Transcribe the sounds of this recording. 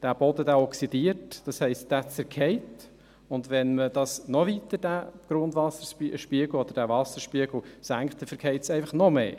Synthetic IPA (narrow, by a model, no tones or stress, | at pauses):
d̥æb̥ɔd̪ədæːɔksid̥iərtd̥ɑshɛɪstd̥æt͡sɛɾkʰɛɪt | ʊndʋɛnməd̥ɑsnɔvit̪əd̥æːɡ̥ɾʊndvɑsəiʃpiəɡ̥l̩ɔd̥̪əɾdævɑsəɾʃpiəɡl̩sæŋkχttɛfəɾkʰɛɪtsɛɪfɑχnɔmḛː